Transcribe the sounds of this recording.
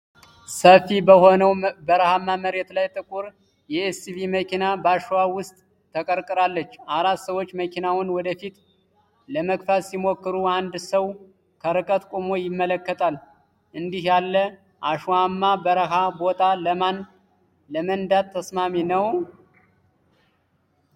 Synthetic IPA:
səfiəhonəwbəɾəhamːaməɾet̪lajt̪ʼɨkʼuɾ | jɛesiviməkʰinabaʃwawʊst̪ʼʰː | əkʼəɾkʼɨɾalːət͡ʃːaɾat̪ːsəwo̞t͡ʃːməkʰinawʊnwɔd̪əfit̪ | ləməkʼfat̪simokːɨɾuand̪səw | kʰəɾɨkʼət̪kʼomo̞jɪmːələkːət̪ʼʰal | ʔɨnd̪ihjalːə | ʔaʃwamːabəɾəɦabo̞t̪ʰʼaləan | ləmənd̪at̪ʰːəsmaminəw

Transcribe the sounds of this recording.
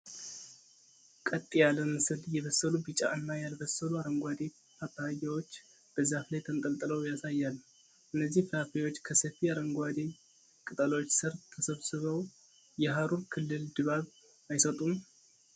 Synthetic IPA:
kʼət̪ʼːijaləmɨsɨlɨjɛβəsːəlubɨt͡ʃʼa̰ʔɨnːajalbəsːəluaɾəŋɡʷad̪e | abahajawo̞t͡ʃː | b̥əzːaflajt̪ʰənt̪ʼəlt̪ʼɨləwjasajːalː | ʔɨnːəzːihfafewo̞t͡ʃːkʰəsəfiaɾəŋɡʷad̪e | kʼɨt̪ʼəlo̞t͡ʃːsɨɾt̪ʰəsəβsɨβəw | jɛɦaɾuɾkʰɨlːɨld̪ɨβaβ | ajsət̪ʼum

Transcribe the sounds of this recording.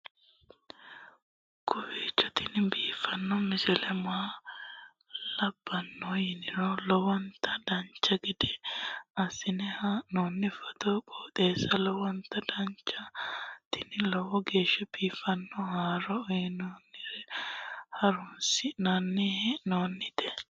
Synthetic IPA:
kʰʊweːt͡ʃːɔt̪ɪnɪbiːfɐnːɔmɪsɪlɛmaː | lɐbːɐnːɔjɪnɪɾɔlɔwɔnt̪ɐd̪ɐnt͡ʃːɐɡɪd̪ɛɐsɪnɛhanoːnːɪfɐt̪ɔkʼoːt̪ʼeːsɐlɔwɔnt̪ɐd̪ɐnt͡ʃːɐt̪ɪnɪlɔwɔɡeːʃːɛb̥iːfɐnːɔhaːɾɔːjɪnoːnːɪɾɛhɐɾʊnsɪnɐnːihɛnoːnːɪt̪ɛ

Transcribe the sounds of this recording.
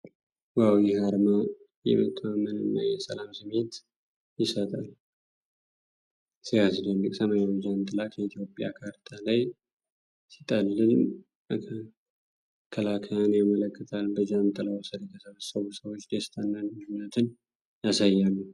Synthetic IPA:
wawihaɾma | jɛ̰mət̪ʼːəmɨnɨnːa̰jɛsəlamsɨmːet̪ | jɪsət̪ʼal | sijasd̪əlːɨkʼsəməɲabɨd͡ʒamt̪ʼɨlakʰəit̪ʰjo̞pʼja̰kʰaɾt̪ʰalaj | si̥t̪ʼəlːɨn | kʰ | kʰəlakʰəjanjamələkʼːət̪ʰalbɨd͡ʒamt̪ʼɨlawɔsəd̪əkʰəsəβəsəβusəwo̞t͡ʃːd̪est̪ʰanːanunːət̪ʰɨn | jasajːalːəw

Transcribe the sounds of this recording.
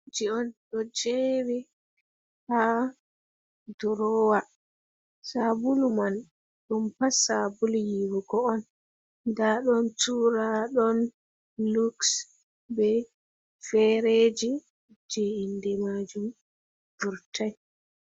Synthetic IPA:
d͡ʒiɔnɗɔd͡ʒeɾi | ha | duɾɔwa | sabuluman | ɗumpasabuljiwuɡɔɔn | daɗɔntuɾaɗɔn | luks | bɛ | fɛɾed͡ʒi | d͡ʒeindɛmad͡ʒum | d̥uɾtaj

